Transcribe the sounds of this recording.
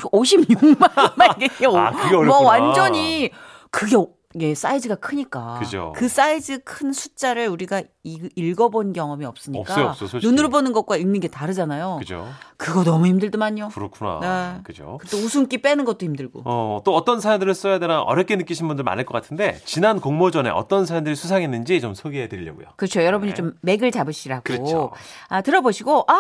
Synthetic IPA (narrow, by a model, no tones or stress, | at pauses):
oɕʰimɲuŋmanmaɡeo̰kɯɡemʌwand͡ʑʌɲi | kɯɡe̞ | je̞s͈aidɯɡakʰɯɲik͈aɯd͡ʑo̰kɯs͈aidɯkʰɯnsʰut͡ɕ͈aɾɯɭuɾiɡa | iiɭɡʌbonnɡjʌŋʌmiʌp̚s͈ɯɲḭpk͈sas͈nunɯɾbonɯnɡʌk̚k͈waimiɡetaɾɯd͡ʑanajoɯd͡ʑo̰kɯɡʌnʌmuhimdɯɭdumaɲokɯɾʌkʰuna̰nekɯd͡ʑo̰kɯɾetʰousʰunk͈ip͈enɯnɡʌt̚t͈oçimdɯɭɡo̰ʌt͈oʌt͈ʌnsʰaɾamdɯɾɯɭs͈ʌjadenaʔʌ̰ɾjʌk͈ʰe̞nɯk͈iɕʰinbundɯɭma̰nɦeɭk͈ʌk͈atʰɯnde̞̰t͡ɕinankoŋmod͡ʑʌne̞̰ʌ̰t͈ʌnsʰaɾamdɯɾisʰusʰaŋenːɯnd͡ʑit͡ɕomsʰoɡiɦedɯʎːʌɡṵjo̰kɯt͡ɕʰojʌɾʌbɯɲit͡ɕ͈omːe̞ɡɯɭt͡ɕabɯɕ͈ʰiɾaɡɯɾooatɯɾʌboɕʰiɡoʔa